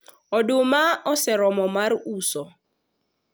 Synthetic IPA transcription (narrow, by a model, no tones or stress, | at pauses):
ɔdomaɔsɛɾɔmɔmarusɔ